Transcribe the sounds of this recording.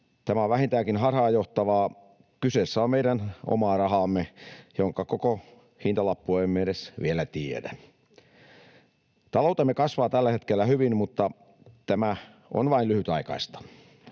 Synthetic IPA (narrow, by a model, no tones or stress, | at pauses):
t̪æmæoʋʋæhint̪æːkinhɑrhɑːjoht̪ɑʋɑː | kyseːsːæommeiɾæno̰mɑːrɑɦɑːmːejoŋkɑkoko | hint̪ɑlɑpːueimːeeɾesʋielæt̪iḛdæ | t̪ɑloˑut̪emːekɑsʋɑːt̪ælːæhet̪kelːæhyʋinmut̪ːɑ | t̪æmæ | o̰nʋɑilyhyt̪ɑikɑ̰ist̪ɑ̥